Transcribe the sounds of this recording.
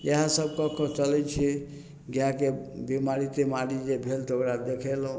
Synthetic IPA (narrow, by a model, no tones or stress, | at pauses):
jeɦãsəb̚kɔkɔt͡ʃəlɛt͡ʃʰi | ɡjakebimaɾit̪emaɾid͡ʒebʱelt̪okɾad̪ekʰɛlõ